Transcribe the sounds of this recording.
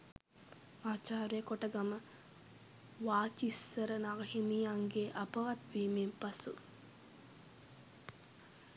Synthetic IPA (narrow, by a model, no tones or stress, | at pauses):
maːt͡ʃaːɾejəkoʈəɡamə | ʋaːt͡ʃisːəɾənaɡɐɦimijaŋɡeʔapəʋat̪ʋiːmempasu